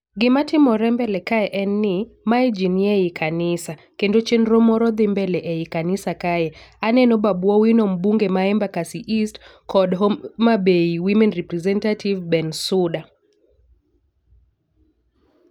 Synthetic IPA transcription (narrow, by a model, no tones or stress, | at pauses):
ɡimatimɔɾɛmbɛlɛkaɛʔɛnːimaid͡ʒiniɛikʰanisa | kendot͡ʃenɾɔmɔɾɔðimbɛlɛʔɛikanisakajɛanɛnɔɓaɓwɔwinɔm̩buŋɡɛmaɛmbakasiʔistkʰɔdɦɔmabeiwimɛnripɾɛzɛntativbɛnsuɗa